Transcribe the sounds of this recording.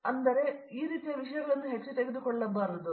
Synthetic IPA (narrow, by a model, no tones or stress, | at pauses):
ɐnd̪ɐɾeiːɾiːt̪ːijɐʋiʂɐjɐɣɐɭenːuɦeʈt͡ɕːɐʈ̪ːeɡud̪ukoɭːɐbɐrɐðɨ